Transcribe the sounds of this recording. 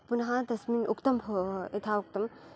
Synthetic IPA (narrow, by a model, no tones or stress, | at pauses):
punɦãd̪ɐsmiːnʔukt̪ɐmbʱoet̪ʰaukt̪ɐm